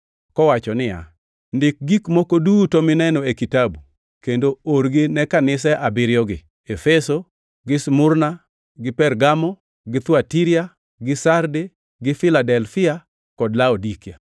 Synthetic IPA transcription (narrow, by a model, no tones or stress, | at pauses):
kɔwat͡ʃɔnɪja̰ | ndɪk̚ɡikmokodutɔmɪnɛnɔekitabu | kendooɾɡɪnɛkanɪs̬ɛʔabɪɾjɔɡɪ | efɛso | ɡɪsmʊrna | ɡɪpɛrɡamɔ | ɡɪt̪watiɾia | ɡɪsarde | ɡɪfɪladɛlfɪa | kɔdlaodikia̰